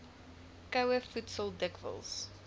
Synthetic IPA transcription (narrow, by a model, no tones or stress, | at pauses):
kɐwəfutsəlˠdəkvə̰lˠs